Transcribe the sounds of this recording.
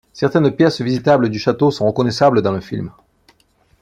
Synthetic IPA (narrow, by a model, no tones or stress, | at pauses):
sɛʁt̪ɛnpjɛsvizit̪abləd̪yʃat̪osɔ̃ʁəkɔnɛsabləd̪ɑ̃ləfilm